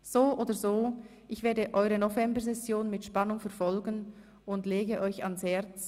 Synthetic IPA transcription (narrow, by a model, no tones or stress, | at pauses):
z̥oːʔoːdɐzoː | ʔɪçv̥eːɐdəʔɔʏʁənovɛmbəɐzɛsjoːnmɪtʃpɑnʊŋfɛɐfɔlɡən | ʊndleːɡəʔɔʏçɑnshɛɐt͡s